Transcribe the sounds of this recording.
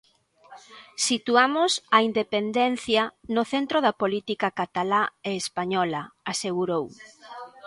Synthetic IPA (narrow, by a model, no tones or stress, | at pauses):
sit̪uamʊsaind̪epend̪ɛnθjɐnoθent̪ɾoðɐpolit̪ikakat̪alaeːspaɲɔlɐaseɣuɾow